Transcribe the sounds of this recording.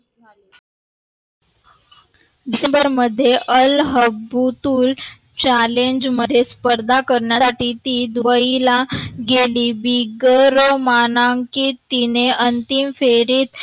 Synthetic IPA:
ɖisembəɾməd̪ʱːjeʔəlɦəbut̪uːl | t͡ɕaleɲd͡ʑməd̪ʱːjespəɾd̪ʱakəɾɳjasaʈiːt̪iːd̪ʋəilaɡeliːbiɡəɾmanaŋkiːt̪ineənt̪imfeɾiːt̪

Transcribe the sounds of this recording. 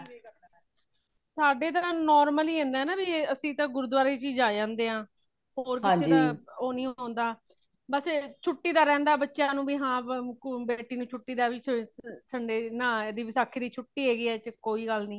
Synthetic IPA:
saːɖeːt̪ãːnɔːɾməliːẽːnd̪ɛːnaːbiəsĩːt̪ãːɡʊɾud̪waːɾeːt͡ʃiːd͡ʒaːd͡ʒãːnd̪eːɦãː | ɦoːɾkɪãːseːd͡ʒt̪ãːoːnĩːɦõːnd̪aː | bəst͡ʃʰʊʈːiːd̪aːɾɛ̃ːnd̪aːbətːʃjaːnũːbiːɦãːbeːʈiːnũːt͡ʃʰʊʈːiːd̪aːɛbiːsəɳɖeːnãːd̪iːsakʰːiːd̪iːt͡ʃʰʊʈːiːeːɡiːɛːt͡ʃkoːiːɡəlnĩː

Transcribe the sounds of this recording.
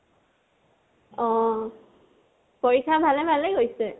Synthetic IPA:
ɔ̃ | poɹikʰːabʱalɛbʱalɛɡojsɛ

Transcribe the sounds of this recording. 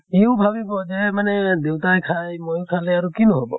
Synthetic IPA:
ewbʱabibɔd͡ʒɛmanɛd̪ewtajkʰajmojukʰaleaɾukinɔɦobɔ̰

